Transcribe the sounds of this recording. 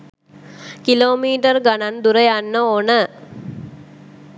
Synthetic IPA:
kiloːmiːʈərɡanand̪uɾəjanːəoːnə

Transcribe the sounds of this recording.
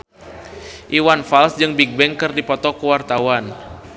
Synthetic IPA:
ʔiwanfalsd͡ʒɨŋbik̚bɛŋkɨrdipɔt̪ɔkuwart̪awan

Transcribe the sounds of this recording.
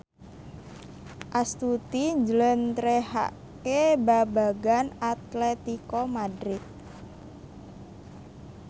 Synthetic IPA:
ʔast̪ut̪iɲd͡ʒələnt̪ɾeha̰ʔ | kebabaɡanat̪lɛt̪ikomadɾɪt̪̚

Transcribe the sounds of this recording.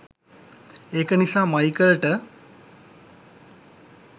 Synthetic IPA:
ekʌnisamʌjkʌɾʈʌ

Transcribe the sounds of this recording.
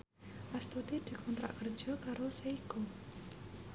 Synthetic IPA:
ʔast̪ut̪id̪̥i̤kʰɔnt̪ɾa̰ʔkər̥ʒ̥ɔ̤kaɾoseiku

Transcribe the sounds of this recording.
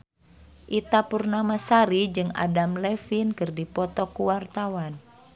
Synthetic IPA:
ʔit̪apurnamasaɾid͡ʒɨŋa̰damlɛfinkɨrdipɔt̪ɔkuwart̪awan

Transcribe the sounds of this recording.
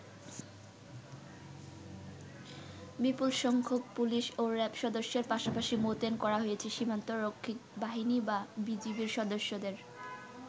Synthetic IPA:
bipulʃɔŋkʰobpuliʃoɾɛpʃɔd̪oʃːeɾpaʃapaʃimot̪enkɔɾaɦojet͡ɕʰeʃimant̪oɾokʰːik̚baɦinibabid͡ʑibiɾʃɔd̪oʃːod̪eɾ

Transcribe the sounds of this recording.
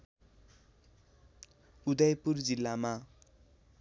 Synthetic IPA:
ud̪ʌjpurd͡zilːama

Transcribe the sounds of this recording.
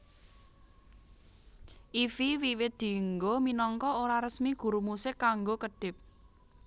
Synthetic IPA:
ʔifiwiwɪt̪̚d̪̥i̤ŋɡominɔŋkɔoɾaɾəsmiɡ̥ṳɾumusɪkːaŋɡokəɖ̥ɪ̤p̚

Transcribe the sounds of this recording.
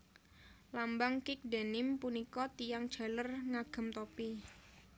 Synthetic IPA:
lambaŋkɪk̚da̤nɪmpunikɔt̪ijaŋd̥ʒ̥a̤lərŋaɡ̥ə̤mt̪opi

